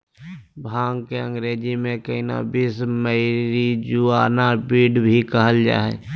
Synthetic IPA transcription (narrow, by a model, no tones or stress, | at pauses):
bʱaːŋɡkeə̃ŋɡɾeːd͡ʒimẽkəina̰bisməɪɾid͡ʒuaːnapiːɖbʱikəɦəld͡ʒa̰ːɦɛ̰